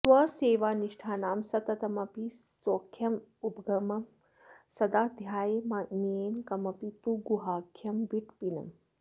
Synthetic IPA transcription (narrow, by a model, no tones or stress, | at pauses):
sʋɐseːʋaːniʂʈʰaːnaːmsɐt̪ɐt̪ɐmɐpisoːkʰjɐmupɡɐmɐm | sɐd̪aːd̪ʱjaːjɐmɐneːnkɐmɐpit̪uɡuɦaːkʰjɐmʋiʈpinɐ̰m